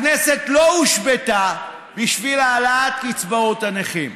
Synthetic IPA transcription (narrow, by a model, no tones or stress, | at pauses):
nesetlo̞uʃbeta | biʃvilaːlaat̪kit͡sbaotaneχim